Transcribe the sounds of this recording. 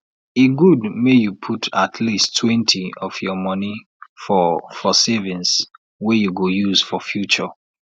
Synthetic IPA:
eɡudmejupʰutʰatʰlistʰːwɛ̃ntʰiɔfjɔmɔni | fɔfɔsevĩns | wɛjuɡojuzfɔfjut͡ʃɔ

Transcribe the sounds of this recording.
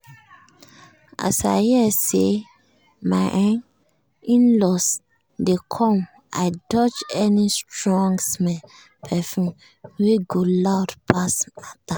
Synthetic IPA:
a̰sa̰ɪhɛse | maɪʔãn | ĩnlɔs | dekʰɔ̃m | a̰ɪdɔt͡ʃɛnistɹɔ̃ŋɡsmɛ | pʰɛfũn | weɡolaʊtpʰasata

